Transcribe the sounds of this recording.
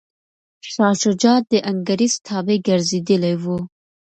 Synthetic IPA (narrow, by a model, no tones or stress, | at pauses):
ʃɑʃʊd͡ʒɑt̪̚d̪əʔaŋɡaɾist̪ʰɑbeɡaɾzed̪əlawu